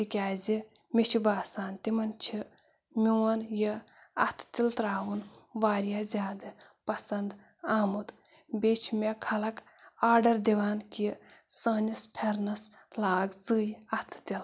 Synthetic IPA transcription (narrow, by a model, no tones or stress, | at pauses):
t̪ikʲaːzʲimʲit͡ʃʰibaːsaːnt̪imɐnt͡ʃʰi | mʲiwɐnji | ɐt̪ʰt̪ilt̪ɾaːwunʋaːɾjaːzʲjaːd̪ɐ | pɐsɐnd̪ | aːmud̪ | bʲet͡ʃʰmʲekʰɐlɐkaːɖɐɾd̪iʋaːnkisɐːnispʰeɾnɐs | laːɡzɨːjɐt̪ʰt̪il